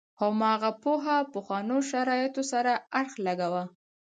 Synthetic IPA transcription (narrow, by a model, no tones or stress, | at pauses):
hamɑɣapoɦapəxwɑnoʃaɾɑjɪt̪osaɾaaɽxlaɡawa